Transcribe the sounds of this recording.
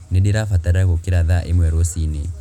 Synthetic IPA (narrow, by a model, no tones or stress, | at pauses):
niɗiɾafataɾaɣokiɾaðaʔemwɛɾosine